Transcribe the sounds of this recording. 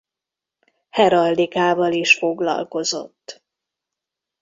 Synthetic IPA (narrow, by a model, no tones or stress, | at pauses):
hɛɾɒld̪ikaːvɒliʃfo̞ɡlɒ̰lko̞zo̞̰t̪ː